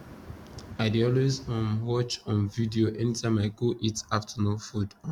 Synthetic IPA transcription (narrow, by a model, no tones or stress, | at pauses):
aɪdiɔlwezɔ̃nwɔt͡ʃɔ̃nvidioʔɛnitʰãɪ̃maɪɡoʔitaftʰənofudɔ̃